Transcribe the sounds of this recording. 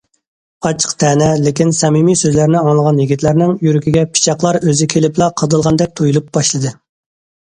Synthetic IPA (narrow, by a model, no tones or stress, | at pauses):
ɑt͡ʃʰə̥qt̪ʰɛːnɛlɪkʲinsɛmimijsøzlæɾnɪɑŋlˠəʁɑnjiɡʲit̪ʰlæɾnɪŋjyɾykʲiɡʲɛpʰi̥t͡ʃʰɑqlˠɑɾøzɪkʲʰelɪplˠɑqʰəd̪ɨlˠʁɑnd̪ɛk̚ʲt̪ʰojulˠup̚b̥ɑʃlˠɨd̪ɨ